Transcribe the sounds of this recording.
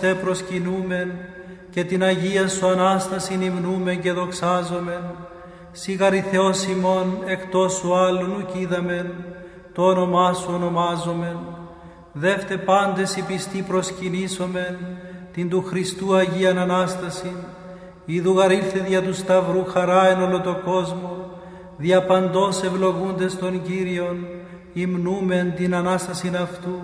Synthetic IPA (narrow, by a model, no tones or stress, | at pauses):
t̪epɾo̞scinume̞n | ce̞t̪inɐʝiɐsuɐnɐst̪ɐsinimnume̞nce̞ðo̞ksɐzo̞me̞n | siɣɐɾiθe̞o̞simo̞ne̞kt̪o̞suɐlːunuciðɐme̞n | t̪oono̞mɐsuono̞mɐzo̞me̞n | ðe̞ft̪e̞pɐnd̪e̞sipist̪ipɾo̞sciniso̞me̞nt̪ind̪uxɾist̪uɐʝiɐnɐnɐst̪ɐsin | iðuɣɐɾilθeðʝɐt̪ust̪ɐvɾuxɐɾɐeno̞lo̞t̪o̞ko̞zmo | ðiɐpɐnd̪o̞se̞vlo̞ɣund̪e̞st̪o̞ɲɟiɾio̞n | imnume̞nt̪inɐnɐst̪ɐsinɐft̪u